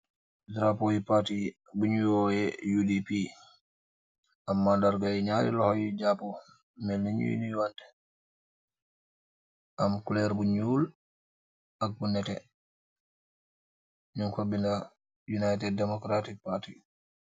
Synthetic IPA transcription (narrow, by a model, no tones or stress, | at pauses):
dɾapojipati | buɲuwɔjɛjudipi | ʔamːandaɾɡajɲaɾḭlɔhɔjid͡ʒapɔ | mɛlniɲṵḭniwantɛ̥ | ʔamkulɛɾbuɲul | ak̚ːunːɛtɛ | ɲunkabːinda | junajtɛddɛmɔkɾatik̚pati